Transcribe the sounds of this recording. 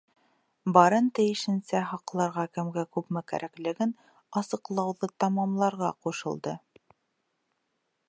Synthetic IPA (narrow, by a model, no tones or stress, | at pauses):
bɑɾɤnt̪ɘ̆jɘ̆ʃɘ̆nsæɦɑqlˠɑɾʁɑkɘ̆mɡækʉpmɘkæ̰ɾʔæklɘ̆ɡɘn | ɑsɤ̆qlˠɑwðɤt̪ɑmɑmlˠɑɾʁɑquʃɤ̆lˠd̪ɤ